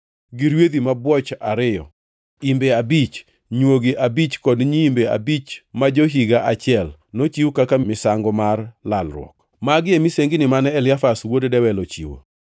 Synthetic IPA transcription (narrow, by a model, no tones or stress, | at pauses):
ɡiɾwed̪imabwɔt͡ʃaɾɪjɔ̰ | imbeabit͡ʃ | ɲwoɡiʔabit͡ʃkɔdɲiːmbea̰bit͡ʃmad͡ʒoɦiɡaʔat͡ʃɪɛlnot͡ʃiwkakamɪsaŋɡɔmarlalɾwɔ̰k̚ | maɡɪemiseŋɡɪnɪmanɛɛlɪafaswoddɛwɛlot͡ʃḭwo̰